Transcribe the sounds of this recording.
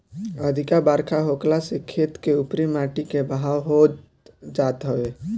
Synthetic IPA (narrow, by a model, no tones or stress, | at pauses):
əd̪ʱɪkabaːɾkʰaɦoːklasekʰeːt̪keʊpɾimaːʈikebəɦaːwɦoːd͡ʒ | d͡ʒaːt̪ɦoe